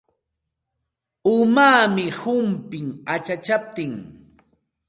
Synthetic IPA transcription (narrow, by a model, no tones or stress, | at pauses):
ʊmaːmɪhʊmpɪŋat͡ʃat͡ʃap̚t̪ɪŋ